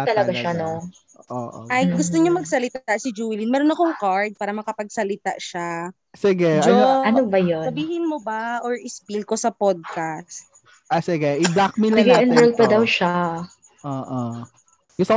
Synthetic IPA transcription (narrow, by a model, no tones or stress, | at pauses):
t̪ɐlɐɡaʃano | ʔoːʔʔɐjɡʊst̪oɲomɐɡsɐlɪt̪asɪd͡ʒuːlɪnmɛːɾonɐkoŋkaɹd̪̚paːɾɐmɐkɐpɐɡ̚sɐlɪt̪a̰ʔʃa | sɪɡɛʔd͡ʒoɐnobɐjosɐbiːhɪnmobaʔoɹʔɪspilko̞sɐpod̪̚kast̪̚ | ʔasɪɡɛʔɪblak̚mɪnlɐŋɡɐnɛl̚pɐd̪ɐwʃa | ʔoːʔo | ɡʊst̪o